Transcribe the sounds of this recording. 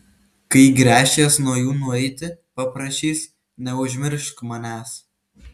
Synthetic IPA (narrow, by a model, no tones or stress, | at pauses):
kɐɪɡɾʲæːʃʲeːsnuɔjuːnʊɛɪt̪ʲɪpɐpɾɐʃʲiːs | nʲɛʊʒʲmʲɪɾʃkmɐnʲæːs